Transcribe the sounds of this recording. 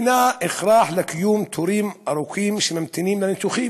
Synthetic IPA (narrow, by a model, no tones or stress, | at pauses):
naʔɪxɾˤɑːħlɪkɪjuːmt̪ʰuɾiːmʔaɾˤukʰiːmʃemamt̪ɪniːmlanɪt̪uxiː